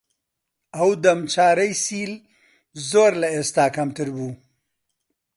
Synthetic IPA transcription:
awd̪ɐmt͡ʃaːɾəjsiːl | zoɾlaest̪aːkɐmt̪əɾbu

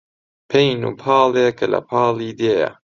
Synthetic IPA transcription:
pʰejnṵːpʰɑːlekʰɐlɐ̰pʰɑːliːd̪eːjɐ̰

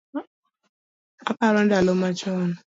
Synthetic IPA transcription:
apaɾɔndalomat͡ʃɔnɔ

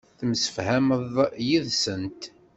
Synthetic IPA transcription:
θəmsə̥fhæməðˤjiðsənt̪

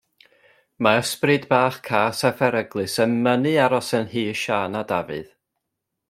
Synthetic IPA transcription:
maəsprɨdbaːχkʰaːsɛfɛɾəɡlˠɨsənmənɨaɾɔsənhiːʃaːnadavɨ̰ð̥

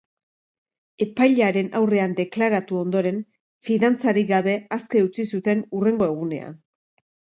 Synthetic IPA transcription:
e̞pajʎeaɾe̞nawre̞and̪e̞klaɾat̪uo̞nd̪o̞ɾe̞n | fiðant͡saɾiɡaβe̞aske̞ut͡sisut̪e̞nure̞ŋɡo̞e̞ɣ̞une̞̰a̰n

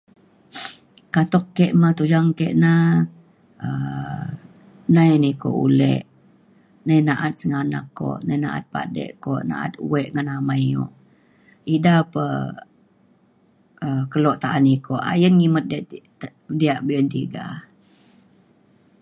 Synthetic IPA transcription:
kat̪ɔkːɛʔmat̪ud͡ʒaŋkeʔna | ə | najniko̰ʔṵlɛ̰ʔ | najnaʔat̪̚səŋana̰kːo̰ʔnajna̰ʔa̰t̪̚pa̰dɛ̰ʔkoʔna̰ʔa̰t̪̚uwɛʔŋanamajjɔ̰ʔ | idapə | əkəlɔʔt̪aʔanikoʔa̰jənŋimət̪̚d | diaʔbiənt̪iɡa̰

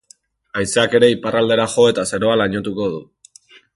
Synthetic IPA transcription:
ajseake̞ɾe̞iparald̪e̞ɾaχo̞e̞t̪aseɾo̞alaɲo̞t̪uko̞ðu

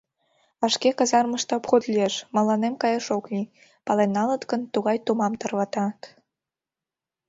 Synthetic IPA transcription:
ɑʃkekɑzɑrməʃt̪ĕopxod̪lʲieʃmɑlɑnemkɑjəʃoki | pɑlenːɑlət̪kənt̪uɣɑjt̪umɑmt̪ərβɑt̪ɑt̪

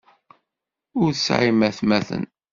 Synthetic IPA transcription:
ʊɾθsʕimæθmæθə̰n

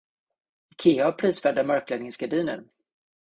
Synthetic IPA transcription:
ɪkʰeːapʰɾiːsfɛd̪amœɾklɛd̪nɪŋsɡ̥aɖiːnə̰ɾ

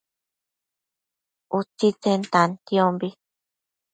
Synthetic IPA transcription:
ut͡sit͡sent̪ãnt̪iõmbi

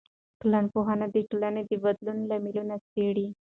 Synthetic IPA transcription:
kləɳpoɦanad̪iʈulaned̪ibəd̪lunlamilunɐseɽi

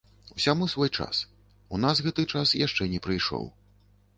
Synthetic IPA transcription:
usʲamusvɔjt͡ʂa̰s | unasɣɛt̪ɨt͡ʂasjaʂt͡ʂɛnʲɛpɾɨjʂɔ̰w

